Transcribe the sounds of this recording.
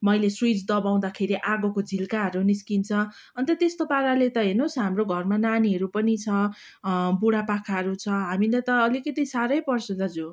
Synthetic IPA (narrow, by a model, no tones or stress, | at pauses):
mʌjleswit͡sd̪ʌbaw̃d̪akʰeɾiʔaɡokod͡zʱilkaɦʌɾuniskint͡sʰʌ | ʌnt̪ʌt̪est̪opaɾalet̪ʌɦenusɦamroɡʱʌrmananiɦʌɾupʌnit͡sʰʌ | buɽapakʰaɦʌɾut͡sʰʌɦamilet̪ʌːlikʌt̪isaɾʌjpʌrsʌd̪ʌd͡zu